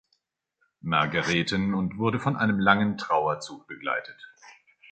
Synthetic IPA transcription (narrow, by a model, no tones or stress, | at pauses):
ma̰ɐɡaʁɛːtənʊntv̥ʊɐɾəfɔnʔa̰ɪnəmlaŋəntʁ̥aʊɐt͡suːk̚b̥əɡla̰ɪtʰət